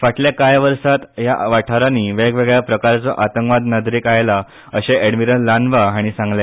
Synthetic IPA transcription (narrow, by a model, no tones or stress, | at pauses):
faʈljakajʋəɾsat̪jaʋaʈʰaɾaniːʋeɡʋeɡɭjapɾəkaɾt͡sɔʔat̪əŋkʋad̪nəd̪ɾiːkajla | əɕeʔeɽmiɾənlanʋaɦaɽ̃isãŋɡlja